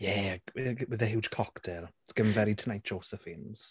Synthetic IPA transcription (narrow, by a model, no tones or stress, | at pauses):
jɛ | wɪðɛɦɪwdkʰɔktʰɛrsɡ̥əmvɛɾitʰənajt̚d͡ʒ̥oːsɛfɪnz̥